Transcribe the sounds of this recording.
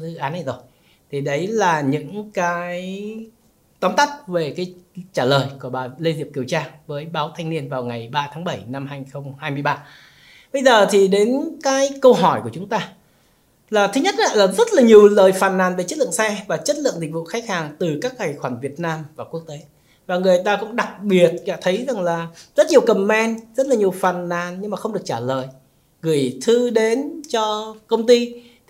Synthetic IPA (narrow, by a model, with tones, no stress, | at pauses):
zɨ˧ʔaː˨˦na˧˩jzo˨˩j | t̪ʰi˨˩ɗə˨˦jlaː˨˩ɲɨ̰˧˥ŋkaː˨˦j | t̪ɔ˨˦nt̪a˦˥t̚ve˨˩kaː˨˦jt͡ɕaː˧˩ləː˨˩jku˧˩əɓaː˨˩le˧zi˨˩əp̚ki˨˩əwt͡ɕaː˧vəː˨˦jɓaː˨˦wt̪ʰa˧jŋ̟ni˧ənvaː˨˩wŋa˨˩jɓaː˧t̪ʰaː˨˦ŋɓə˧˩jna˧mɦaː˧jxə˧wŋ͡mhaː˧jmɨ˧əjɓaː˧ | ɓə˧jzəː˨˩t̪ʰi˨˩ɗe˨˦nkaː˨˦jkə˧wɦɔ˧˩jku˧˩ət͡ɕʊ˨˦ŋ͡mt̪aː˧ | laː˨˩t̪ʰɨ˨˦ɲə˦˥t̚la̰ː˧˨laː˨˩zə˦˥t̚laː˨˩ɲi˨˩əwləː˨˩jfaː˨˩nːaː˨˩nve˨˩t͡ɕə˦˥t̚lɨ̰˧˨ə˨ŋsɛ˧vaː˨˩t͡ɕə˦˥t̚lɨ̰˧˨ŋzï˨˩k̟vṵ˧˨xaː˦˥k̚haː˨˩ŋt̪ɨ˨˩kaː˦˥k̚ŋa˨˩jxwaː˧˩nvi˨˩ət̚naː˧mvaː˨˩ku˦˥ək̚t̪e˨˦ | vaː˨˩ŋɨ˨˩əjt̪aː˧kʊ̰˧˥ŋ͡mɗa˨˩k̚ɓi˨˩ət̚aː˧˩t̪ʰə˨˦jza˨˩ŋlaː˨˩zə˦˥t̚ɲi˨˩əwkə˨˩mːɛ˧nzə˦˥t̚laː˨˩ɲi˨˩əwfaː˨˩nːaː˨˩nɲɨ˧ŋmaː˨˩xə˧wŋ͡mɗɨ˨˩ək̚t͡ɕaː˧˩ləː˨˩j | ɣɨ˧˩jt̪ʰɨ˧ɗe˨˦nt͡ɕɔ˧kə˧wŋ͡mt̪i˧